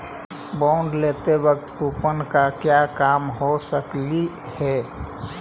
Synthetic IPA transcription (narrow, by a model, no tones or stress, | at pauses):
bɔ̃ʊɳɖleːt̪eʋək̚t̪upənkakjakaːmɦosəkli | hɛ